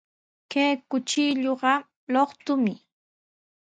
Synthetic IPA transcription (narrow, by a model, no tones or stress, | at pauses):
kejkʊt͡ʃiʎoɢɑ | loχt̪ʊmɪ